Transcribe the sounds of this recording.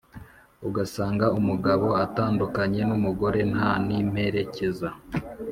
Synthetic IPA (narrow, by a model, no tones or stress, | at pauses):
uɡasaːŋɡaumuɡaβo̞ataːndukaɲe̞numuɡo̞ɾe̞nhanim̥he̞ɾe̞ce̞za